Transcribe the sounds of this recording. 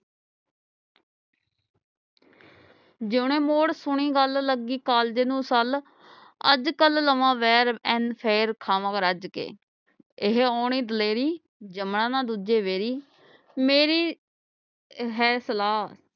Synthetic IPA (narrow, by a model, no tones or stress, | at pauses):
d͡ʒɪːɳẽːmoːɽsʊɳiːɡəlləɡiːkaːld͡ʒeːnũːsəl | ə̰d͡ʒkəlləʋãːʋɛːɾɛnpʰeːɾkʰaːʋãːkɾəd͡ʒkḛː | ɪɦaːɳiːd̪əleːɾiː | d͡ʒəmɳãːnãːd̪uːd͡ʒeːʋeːɾiː | meːɾiː | ɦɛːsəlaːs